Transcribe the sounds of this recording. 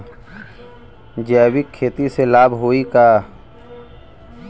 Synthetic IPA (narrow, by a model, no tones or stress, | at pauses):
d͡ʒɛːwɪkʰːeːt̪iselaːbɦoikaː